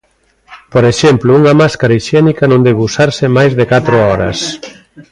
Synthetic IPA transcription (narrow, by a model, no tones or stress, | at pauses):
poɾeʃɛmplʊuŋɐmaskaɾaiʃɛnikɐnõnd̪eɣusaɾsɪmajzðekat̪ɾoɔɾɐ̰s